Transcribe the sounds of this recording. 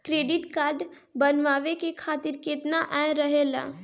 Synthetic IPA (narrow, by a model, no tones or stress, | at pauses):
kɾeːɖɪʈkaːɾɖ | bənʋaːʋekekʰaːt̪ɪɾket̪naʔɛɾəɦela̰ː